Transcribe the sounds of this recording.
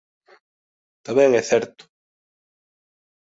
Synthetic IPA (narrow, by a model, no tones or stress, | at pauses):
t̪amɛ̃ŋɛθɛɾt̪ʊ̥